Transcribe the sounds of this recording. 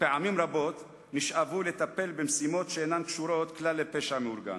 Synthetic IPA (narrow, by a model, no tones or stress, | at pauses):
peʕamimɾabo̞t̪ | niʃʔavule̞t̪ape̞lbemsimo̞t̪ʃeenamkʃuɾo̞t̪klalːepeʃameuɾɡa̰n